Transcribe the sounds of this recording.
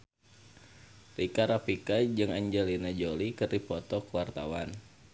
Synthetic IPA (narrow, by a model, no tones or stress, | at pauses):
rikaɾapikad͡ʒɨŋaɲd͡ʒɛlinad͡ʒolikɨrdipɔt̪ɔkuwart̪a̰wan